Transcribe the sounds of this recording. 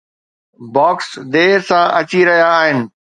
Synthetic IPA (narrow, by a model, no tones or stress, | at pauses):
bɔːksd̪eːsãʔɐt͡ɕiɾɐɦijaːɦɪnɪ̆